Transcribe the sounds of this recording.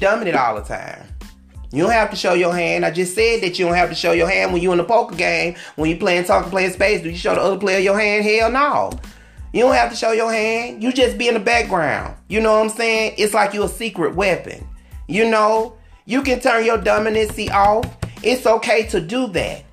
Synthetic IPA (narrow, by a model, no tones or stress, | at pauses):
dʌ̃mɨ̃nɨɾɔ̰lˠðətʰã̰ɪ̃m | jɨɾõʊ̃n̚hæftɨʃoʊjə˞ɦæ̃ndaɪd͡ʒʌstsɛd̪̚ðɨt͡ʃɨdõʊ̃n̚hæftɨʃoʊjə˞ɦæ̃nd̚wə̃njɨə̃nəpʰoʊkə˞ɡẽɪ̃mwə̃njɨpʰl̥eɪɨ̃ntʰɔk̩pʰleɪɨ̃nspeɪsdɨjɨʃoʊðiʌðə˞pʰl̥eɪʌjə˞ɦæ̃nd̚ɦiɹənoʊ | jɨɾõʊ̃n̚hæftɨʃoʊjə˞hæ̃ndjɨd͡ʒʌsb̥iɨ̃nɨbæk̚ɡ̥ɹã̰ʊ̃nd̥jɨnoʊãɪ̃mseɪɪ̃ŋʔɪtslaɪkjɨəsikɹɨ̰t̚wɛpɨ̰̃njɨnoʊ | jɨkɨ̃ntʰɜ̃˞njə˞dʌ̃mɪ̃nɪtsiʔɔʊfʔɪtsoʊkʰeɪɾɨdɨðæ̰t̚